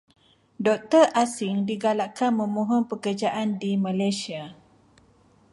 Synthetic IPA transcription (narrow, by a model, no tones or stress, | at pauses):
dɔk̚t̪ərʔasɪŋdiɡalaʔkanmə̃mõɦɔnpəkərd͡ʒaʔandimãlajsia